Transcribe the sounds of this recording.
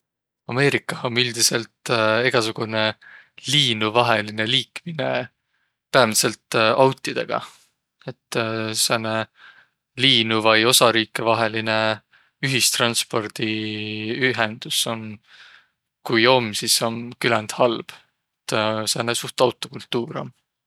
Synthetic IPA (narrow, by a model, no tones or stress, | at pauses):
ɑme̞ːɾikːˑɑhomyld̪̥ise̞lt̪eɡ̥ɑsuɡ̥une̞liːnuvɑɦe̞line̞liːkmine̞ | pæemise̞lt̪ɑwt̪ːˑid̪̥e̞ɡ̥ɑ̰ | et̪ːˑsene | liːnuvɑjo̞sɑɾiːkːˑevɑɦe̞line̞ | yɦist̪rɑnspo̞rd̪̥i | yɦend̪̥uso̞n | kujo̞mːsiso̞nkylɛnd̪̥hɑlb̥ | eet̪ːsenesuht̪ɑwt̪ːˑo̞kult̪ːuːɾo̰m